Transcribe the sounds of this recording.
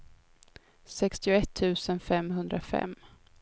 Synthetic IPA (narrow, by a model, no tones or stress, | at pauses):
sɛkst̪ɪʊɛt̪ʰːʉ̟ːsənfɛmɦɵnd̪ɾafɛ̰mː